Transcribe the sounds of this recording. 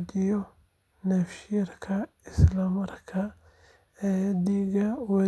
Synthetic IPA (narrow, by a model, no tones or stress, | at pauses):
d̪ɪjɔ | nɐfʃɪɐrkʰɐ | ɪslɐmɐrkʰɐ | ɛd̪iɣɐwɐ